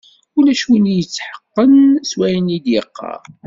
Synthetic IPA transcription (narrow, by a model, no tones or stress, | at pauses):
ulæʃunijət͡sːħə̥qːənswæjənid̪jəqːɑ̰ɾ